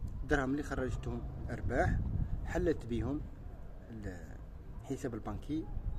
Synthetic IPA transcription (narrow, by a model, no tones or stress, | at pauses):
d̪ɾˤɑmlːixɑrˤːɑʒət̪hʊmʔɑɾˤbaħħalːət̪bəhʊm | l | ħəsæbəlbɑ̃kʰi